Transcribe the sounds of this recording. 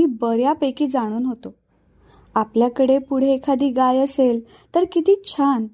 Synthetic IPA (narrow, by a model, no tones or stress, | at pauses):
iːbəɾjapəjkiːd͡zaɽ̃uːnɦot̪o | apljakəɽepuɽ̤ekʰad̪iːɡajəsel | t̪əɾkit̪iːt͡ɕʰan